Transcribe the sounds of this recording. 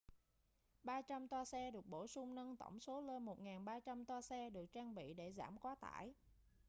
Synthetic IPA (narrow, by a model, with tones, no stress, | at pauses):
ɓaː˧t͡ɕa˧mt̪waː˧sɛ˧ɗɨ˨˩ək̚ɓo˧˩sʊ˧ŋ͡mnə˧nt̪ə̰˧˩wŋ͡mso˨˦lə˧nmo˨˩t̚ŋaː˨˩nɓaː˧t͡ɕa˧mt̪waː˧sɛ˧ɗɨ˨˩ək̚t͡ɕaː˧ŋɓḭ˧˨ɗe˧˩zaː˧˩mkwaː˨˦t̪a̰ː˧˩˨j